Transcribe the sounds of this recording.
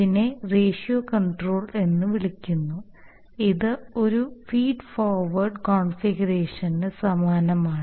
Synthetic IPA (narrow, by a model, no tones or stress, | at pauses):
ine̞re̞ːʂioːkɐɳɖro̞ːɭe̞nːɨʋiɭikʲːunːu | iðɨo̞ɾufiːɖfoːrʋɐrɖkoːɳfiɡɐɾe̞ːʂɐndesɐmaːnɐmaːɳ